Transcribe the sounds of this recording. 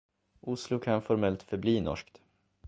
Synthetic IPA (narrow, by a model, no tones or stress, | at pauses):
ʊslʊkʰanfɔɾmɛlt̪fœɾbliːnɔ̰ʂkt̪